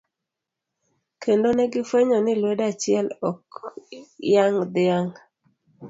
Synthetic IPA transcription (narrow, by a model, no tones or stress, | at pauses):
kʰendonɛɡɪfweɲonɪlwedat͡ʃɪɛlɔk | jaŋd̪ɪaŋ